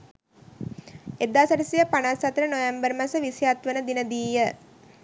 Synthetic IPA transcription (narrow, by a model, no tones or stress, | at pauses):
ed̪aːsəʈisijəpanasat̪ɾənojambəɾmasəʋisjat̪ʋənəd̪inəd̪iːjə